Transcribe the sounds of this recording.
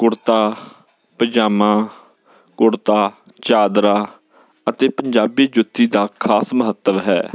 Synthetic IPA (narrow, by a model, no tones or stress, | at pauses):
kʊɽt̪aː | pəd͡ʒaːmãː | kʊɽt̪aː | t͡ʃaːd̪ɾaː | ət̪eːpəɲd͡ʒaːbiːd͡ʒʊt̪ʰːiːd̪aːkʰaːsməɦət̪ːəʋɦɛ̰ː